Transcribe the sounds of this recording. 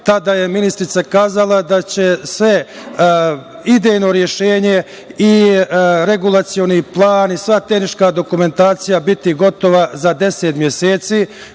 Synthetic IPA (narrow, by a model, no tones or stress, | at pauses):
t̪ad̪aːje̞minist̪ɾit̪sakaːzalˠad̪at͡ɕe̞sʋe̞ | id̪ejno̞ɾje̞ʃeːɲe̞ | i | ɾe̞ɡulˠat̪sijo̞niplˠaːnisʋat̪e̞hniʃkad̪o̞kume̞nt̪aːt̪sijabit̪iɡo̞t̪o̞ʋazad̪e̞set̪mje̞seːt̪siː